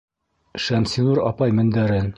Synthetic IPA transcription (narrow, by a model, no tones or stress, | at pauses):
ʃæmsinuɾɑ̰pɑjmɘ̆nd̪æɾɘn